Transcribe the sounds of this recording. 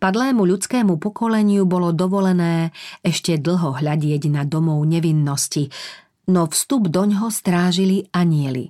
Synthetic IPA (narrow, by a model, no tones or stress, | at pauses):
pad̪lɛːmuʎut͡skɛːmupɔkɔlɛɲɪubɔlɔd̪ɔʋɔlɛnɛːɛʃcɛd̪l̩ˠɦɔɦʎaɟɪɛɟnad̪ɔmɔʊɲɛʋinːɔsci | nɔfst̪ubd̪ɔɲɦɔst̪ɾaːʒiliaɲɪɛlḭ